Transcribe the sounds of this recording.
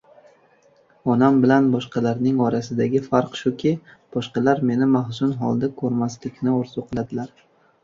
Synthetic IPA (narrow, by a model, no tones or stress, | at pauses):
ɒnambɪlanbɒʃqɑlaɾnɪŋɒɾasɪd̪aɡʲɪfaɾqʃʊkʲʰɪb̥ɒʃqɑlaɾme̞nɪmahsʊnɦɒ̰lˠd̪akʰɵɾmaslɪkʲnɪoɾzʊqʰɨlˠad̪ɪlaɾ